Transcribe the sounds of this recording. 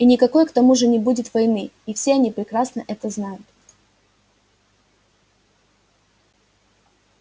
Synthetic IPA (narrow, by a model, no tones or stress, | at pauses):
inʲɪkɐko̞jkt̪ɐmuʐɨnʲɪbudʲɪt̪vɐjnɨifsʲeɐnʲipɾʲɪkɾasnəʔɛt̪əznajʊt̪